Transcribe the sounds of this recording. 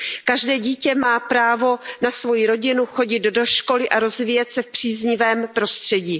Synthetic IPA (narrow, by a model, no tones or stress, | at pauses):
kaʒdɛːɟiːcɛmaːpɾaːvo̞nasvo̞jiɾo̞ɟɪnuxo̞ɟɪt̪do̞ʃko̞lɪʔaɾo̞zviːjɛt̪sɛfpr̝̥iːzɲɪvɛːmpɾo̞st̪r̝̥ɛɟiː